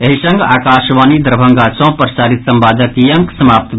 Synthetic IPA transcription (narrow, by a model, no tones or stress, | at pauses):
eɦisə̃ŋɡaːkaːʃʋaːnid̪ɾbʱəŋɡaːt͡ʃɔ̃ːpəɾsaːɾit̪sə̃mbaːd̪ʱəkjɐŋksəmaːp̚t̪